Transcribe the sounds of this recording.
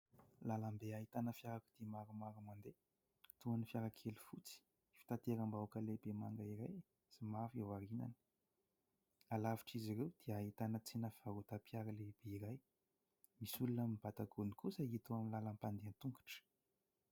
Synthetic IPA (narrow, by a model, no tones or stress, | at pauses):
laləmbeaɦit̪anəfjaɾaku̥d̪̥imaɾumaɾumand̪e | t̪uanifiaɾakʰelufut͡si̥ | fi̥t̪at̪eɾambawkəlebemaŋɡaiɾaj | simafewaɾina̰ni̥ | alaviʈ͡ʂiziɾewd̪̥iaɦit̪anət͡sinəfiaɾot̪apijaɾəleb̥eiɾaj | misulunəmib̥at̪aɡunikusəit̪uaminlalampand̪ent̪uŋɡḁʈ͡ʂ